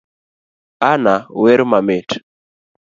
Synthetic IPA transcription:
anawɛɾmamɪt

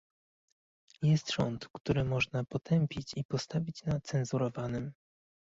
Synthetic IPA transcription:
jɛst̪ʐɔ̰nt̪kt̪uɾɘmɔʐnapɔt̪ʰɛmpʲit͡ɕipɔst̪avʲit͡ɕnat̪sɛnzuɾɔvanɘm

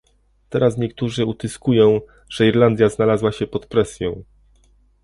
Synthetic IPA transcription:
t̪ɛɾasɲɛkt̪uʐɘut̪ɘskujɔ̃w̃ | ʐ̥ɛiɾland̪ʲjaznalazwaɕɛpɔt̪pɾɛsʲjɔ̃w̃

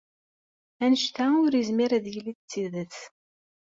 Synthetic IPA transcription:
ænʃt̪æʊɾizmiɾæðjliθt͡sːiðəθ

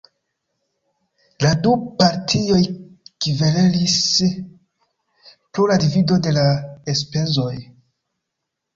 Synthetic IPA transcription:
ladupaɾtʰio̞j | kivelelis | pɾoladivido̞de̞laespe̞zo̞j

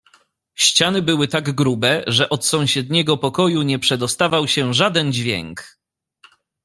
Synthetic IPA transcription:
ɕt͡ɕanɘbɘwɘt̪aɡɡɾubɛʐɛʔɔt̪sɔ̃w̃ɕɛd̪ɲɛɡɔpɔkɔjuɲɛpʂɛd̪ɔst̪avawɕɛʐad̪ɛnd͡ʑvʲjɛ̰ŋk

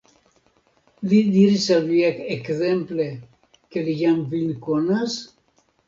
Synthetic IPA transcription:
lid̪iɾisalviakekθemple | kelijamvinkonas

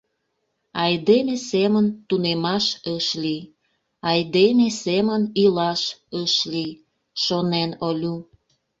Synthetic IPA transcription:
ɑjd̪emesemənt̪unemɑʃəʃli | ɑjd̪emesemənilɑʃəʃli | ʃonenolʲu

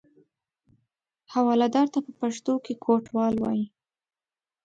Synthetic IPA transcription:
hawɑlad̪ɑɾt̪apəpaʂt̪okekʰoʈwɑlwɑ̰ji

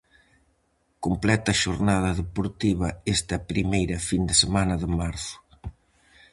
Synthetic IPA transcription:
komplɛt̪ɐʃoɾnaðɐðepoɾt̪iβɐest̪ɐpɾimejɾɐfind̪ɪsemanɐðɪmaɾθʊ̥

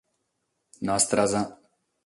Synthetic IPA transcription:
nast̪ɾaza

